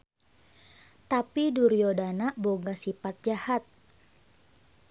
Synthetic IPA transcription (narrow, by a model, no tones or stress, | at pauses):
t̪apiduɾiodanaʔboɡasipat̪̚d͡ʒahat̪̚